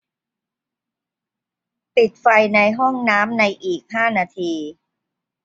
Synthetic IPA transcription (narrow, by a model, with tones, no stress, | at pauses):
pi˨˩t̪̚fa˧jna˧jɦɔ˥˩ŋnaː˦˥mna˧jʔiː˨˩k̚haː˥˩naː˧t̪ʰiː˧